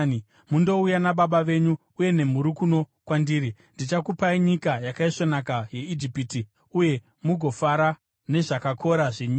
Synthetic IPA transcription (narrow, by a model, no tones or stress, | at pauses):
mundo̞ujanaɓaɓaʋe̞ɲu | uje̞ne̞m̤uɾukuno̞ | kwandiːɾi | ndit͡ʃakupaiɲikajakaiʂo̞nakaje̞id͡ʒipiti | uje̞ | muɡʱo̞faɾa | ne̞ʐakakʰo̞ɾaʐeɲi